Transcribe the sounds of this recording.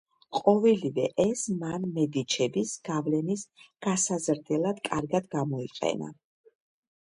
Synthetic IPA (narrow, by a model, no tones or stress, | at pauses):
qʼɔvɛlivɛʔɛsmanmɛd̪it͡ʃʰɛbisɡ̥avlɛnisɡ̥asazɾd̪ɛlˠad̪kʼaɾɡad̪ɡamɔiqʼɛ̰na̰